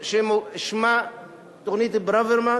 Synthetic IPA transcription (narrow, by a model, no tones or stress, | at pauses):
ʃemuʃma | t̪oxnit̪ibɾaveɾma